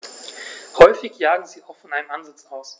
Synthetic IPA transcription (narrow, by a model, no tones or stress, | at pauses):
hɔʏfɪçjaːɡŋ̩ziːaʊxfɔnʔaɪnəmʔanzɪt͡saʊs